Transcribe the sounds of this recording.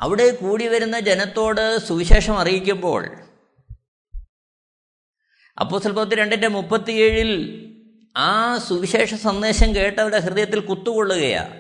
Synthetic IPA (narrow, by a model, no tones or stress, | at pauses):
ɐ̰ʋiɽe̞kuːɽiʋɐɾun̪ːɐd͡ʑe̞nɐt̪ːo̞ːɽɨsuʋiɕeːʂɐmɐrijikʲːumbo̞ːɭ | ɐ̰pːo̞ːst̪ːɐlpɐɐt̪̬ːiɾe̞ɳɖɐtːemupːɐt̪ːijeːɻil | aːsuʋiɕe̞ːʂɐsɐnd̪e̞ːɕɐmke̞ːʈːɐʋɽeɦrɨðɐjɐt̪ːilkut̪ːuko̞ɭːuɣɐja̰ː